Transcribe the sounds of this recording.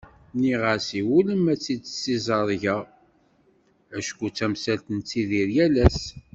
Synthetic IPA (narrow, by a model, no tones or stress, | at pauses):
niʁəɾsiwuləmæt͡sːid̪sizɑɾˤʝa | æʃkut͡sːæmsælt̪ənt͡sːiðiɾjælæs